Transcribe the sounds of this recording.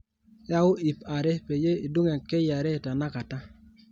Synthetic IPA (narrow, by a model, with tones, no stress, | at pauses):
ja˦wʊ˦i˨pa˨ɾe˦pe˨je˦i˨du˦ŋe˨ke˦ja˨ɾe˦˨ta˨na˦ka˨ta˦